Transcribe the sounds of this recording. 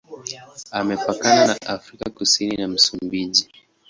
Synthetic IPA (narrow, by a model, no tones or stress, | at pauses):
amɛpakananaʔafɾikakusininam̩sumbiʄi